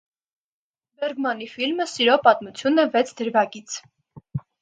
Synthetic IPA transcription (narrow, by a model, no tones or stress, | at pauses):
bɛɾɡmɑnifilməsiɾɔpɑt̪mut͡sʰjunɛvɛt͡sʰd̪əɾvɑkit͡sʰ